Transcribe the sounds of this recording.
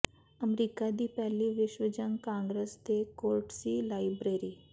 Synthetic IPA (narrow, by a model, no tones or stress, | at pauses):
əmɾiːkad̪ipɛːliʋɪʃwəd͡ʒəŋkãːŋɡɾest̪ekoːɾʈsiːlaːɪbɾeːɾiː